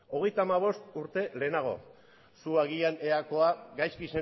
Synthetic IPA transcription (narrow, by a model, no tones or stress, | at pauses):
o̞ɣe̞jt̪amaβ̞o̞st̪uɾt̪e̞le̞ːnaɣ̞o̞̰ | suaɣiane̞ako̞aɡajskise